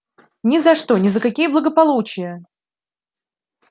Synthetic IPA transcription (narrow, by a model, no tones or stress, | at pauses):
nʲɪzɐʂt̪onʲɪzəkɐkʲijəblˠəɡəpɐlˠut͡ɕɪjə